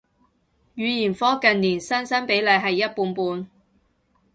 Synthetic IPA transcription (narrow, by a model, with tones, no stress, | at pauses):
jyː˨˧jiː˨˩nfɔː˥kɐ˨nniː˨˩nsɐ˥nsɐ˥npe˨˥jlɐ˨˧jɦɐ˨jːɐ˥t̚puː˧npuː˧n